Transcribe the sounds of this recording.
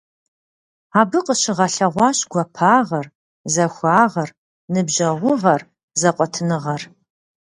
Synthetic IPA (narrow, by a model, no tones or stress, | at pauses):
aːbɨqʼəɕɪʁɐɬɐʁʷɑːɕʼɡ̥ʷɐpʰaːʁɐr | zɐxʷaːʁɐr | nɨbʑɐʁʷʊʁɐr | zɐqʷʼɔtʰɨnɨʁɐr